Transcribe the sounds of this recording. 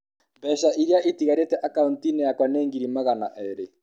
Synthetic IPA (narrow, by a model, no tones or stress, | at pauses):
mbɛʃaʔiɾjaʔetiɣaɾetɛʔakauntinɛjakwanɛːŋɡiɾimaɣana̰ʔɛɾe